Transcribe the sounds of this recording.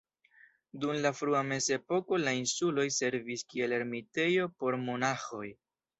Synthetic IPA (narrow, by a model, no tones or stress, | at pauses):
dumlafɾuame̞se̞po̞ko̞lainsulo̞jse̞ɾviskie̞leɾmite̞jo̞po̞ɾmo̞naxo̞j